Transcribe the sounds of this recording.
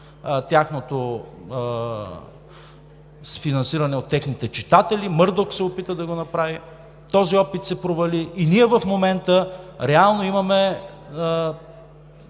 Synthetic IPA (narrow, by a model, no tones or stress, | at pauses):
t̪ʲaxnot̪o | sfinɐnsiɾɐnɛot̪ːɛxnit̪ɛt͡ʃit̪at̪ɛlimɤɾd̪oksɛopit̪əd̪ɐɡonɐpɾavi | t̪ɔziɔpit̪sɛpɾovɐliːniɛvɐfmomɛnt̪əɾɛalˠnoimɐmɛ